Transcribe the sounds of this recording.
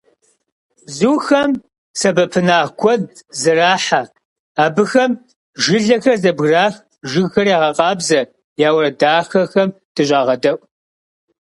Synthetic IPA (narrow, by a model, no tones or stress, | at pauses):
zuːxɐm | sɐbɐpʰɨnaːɡʷʰɔd̚zɨraːħa | aːbɨxɐm | ʒɨɮɐxɐrzɐbɣraːx | ʒɨɡxɐrjaːʁɐqɑːbzɐ | jaːwrɐdaːxɐxɐm | d̥ɨɕʼaːʁɐdɐʔʷ